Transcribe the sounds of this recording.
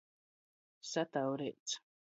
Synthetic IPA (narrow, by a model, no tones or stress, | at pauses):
sat̪awɾet͡s